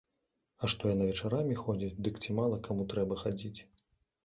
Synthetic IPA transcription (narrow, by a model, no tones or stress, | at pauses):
ɐʂt̪ɔjanɐvʲɛt͡ʂaɾamʲixɔd͡zʲit͡sʲd̪ɨkt͡sʲimalˠɐkamut̪ɾɛbɐxad͡zʲit͡sʲ